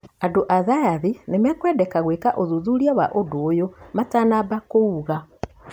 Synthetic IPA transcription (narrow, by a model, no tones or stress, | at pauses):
adoʔaðajaðinemɛkwɛdɛkaɣwekaʔoðuðuɾiawaʔodoːjomatanabakouɣa